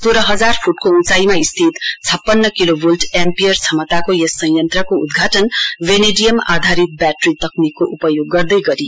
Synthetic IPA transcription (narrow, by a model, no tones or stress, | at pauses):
soɾʌɦʌd͡zarpʰuʈkoũt͡saimaist̪ʰit̪t͡sʰʌpːʌnːʌkilobʱulʈempijʌrt͡sʰʌmʌt̪akojʌsʌ̃j̃jʌnt̪rʌkoud̪ɡʱaʈʌnʋeneɖijʌma̰d̪ʱaɾit̪̚baʈrit̪ʌknikːoʔupʌjoɡːʌrd̪ʌjɡʌɾi